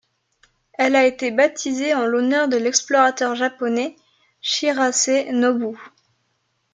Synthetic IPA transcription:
ɛlaet̪ebat̪ʰizeɑ̃lonœʁd̪əlɛksplɔʁat̪œʁʒapɔnɛ | ʃiʁasenɔbu

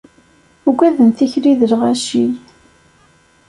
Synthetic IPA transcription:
uɡʷæðənθiçɾiðəlʁæʃij

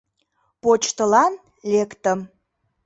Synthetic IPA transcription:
pot͡ɕt̪əlɑn | lekt̪əm

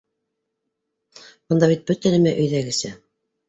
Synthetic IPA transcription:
bɤ̆nd̪ɑβit̪̚bɵt̪ænæmæʔɵ̆jðæɡɘ̆sæ

